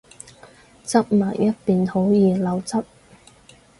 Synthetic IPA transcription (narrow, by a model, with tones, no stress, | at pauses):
t͡sɐ˥p̚maː˨˩jjɐ˥t̚piː˨nho˨˥wjiː˨lɐ˨˧wt͡sɐ˥p̚